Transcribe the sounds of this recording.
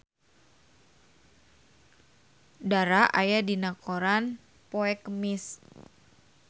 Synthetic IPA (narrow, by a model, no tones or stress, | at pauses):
daɾaʔajadinakoɾan | poɛkəmis